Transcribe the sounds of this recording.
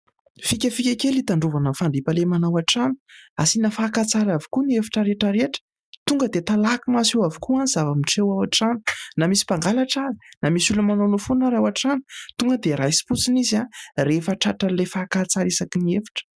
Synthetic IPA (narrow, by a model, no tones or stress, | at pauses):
fikʲəfikʲakelit̪aɳɖ͡ʐuvanəfaɳɖ͡ʐipəlemanawaʈ͡ʂanu̥asinafakat͡saɾavi̥kuniefi̥ʈ͡ʂəɾeʈ͡ʂəɾeʈ͡ʂə̥ | t̪uŋɡəd̪et̪alakimasewavi̥kuanizavamiʈ͡ʂewawaʈ͡ʂanu̥namisi̥paŋɡalaʈ͡ʂaɾi̥namisuləmanonufunəɾawaʈ͡ʂanu̥t̪uŋɡəd̪eɾajsi̥put͡sinizarefaʈ͡ʂaʈ͡ʂalefakat͡saɾisakiniefi̥ʈ͡ʂə̥